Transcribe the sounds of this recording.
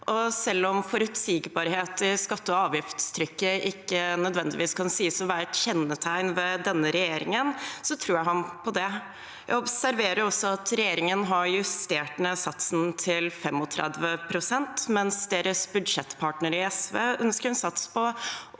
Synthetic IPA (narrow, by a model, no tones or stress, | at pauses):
ʔɔsɛlːɔmfɔɾʉt̪siːɡbɑɾheːt̪ɪskɑt̪ːəɔɑːʋjɪft̪st̪ʰɾʏkːəʔɪkːənœd̪ʋɛnd̪ɪʋiːskʰɑnsiːəsɔʋæːɾt̪çɛnːət̪ʰæɪnʋɛd̪ɛnːəɾɛjeːɾɪŋənsɔt̪ʰɾuːɾjæɪhɑnpʰɔd̪ɛ | jæ̰ɪɔbsæɾʋeːɾəɾɔsːɔɑt̪ʰɾɛjeːɾɪŋənɦɑɾjʉst̪eːʈnəsɑt̪sn̩t̪ʰɪlfɛmːɔt̪ʰɾɛ̰d̪ʋəpʰɾʊsɛnt̪mɛnsd̪eːɾəsbʉd̪ʂɛt̪ːpʰɑːʈnəɾɪɛsʋeːʔœnskəɾhʉnsɑt̪spʰɔ